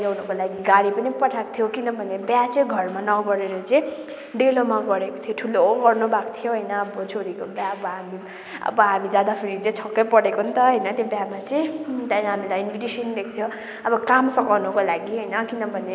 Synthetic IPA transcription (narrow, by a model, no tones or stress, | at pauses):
awnʌkolaɡiɡaɽipʌnipʌʈʰakt̪ʰjokinʌbʱʌnebjat͡sʌj̃ɡʱʌrmanʌɡʌɾeɾʌt͡sʌĩ | ɖelomaɡʌɾeko̥t̪ʰjoʈʰulooɡʌrnubakt̪ʰijoɦʌjnʌːbʌt͡sʰoɾikobjabʌɦami | ʌ̰bʌɦamid͡zad̪apʰiɾit͡sʌj̃t͡sʰʌkːʌjpʌɽekoɦunt̪ʌɦʌjnʌt̪jobjamat͡sʌj̃t̪ajnɦamilajinpʰiʈisʌnd̪ek̚ʰt̪ʰjo | ʌbʌkamsʌkawnʌkolaɡiɦʌjnʌkinʌbʱʌne